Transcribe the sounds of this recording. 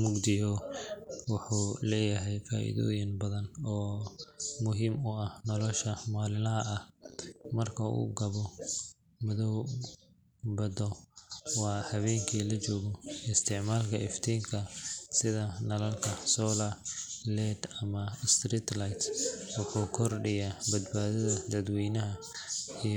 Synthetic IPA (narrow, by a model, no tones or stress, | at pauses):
mʊɡd̪ɪjɔ | wʊħuːlɛːjɐɦɛjfa̰ːʔḭðɔ̰ːjɪnbɐðɐnɔː | mʊɦiːmʊɐhnɔlɔʃɐmaːlɪlɐɦɐʔɐhmɐrkʰɐṵːɡɐβɔ | mɐðɔw | bɐd̪ɔwɑːhɐβɛːŋkʰiːlɐt͡ʃɔːɣɔɪst̪ʰɪʕmaːlkʰɐɪft̪ʰiːŋkʰɐsɪðɐnɐlɐlkʰɐsɔːlɐlɛːd̪ɐmɐst̪riːt̪lajt̪ɔːkʰɔkʰɔrɖɛjɐbɐd̪baːðɐðɐd̪ɐd̪wiːnɐɦɐ | i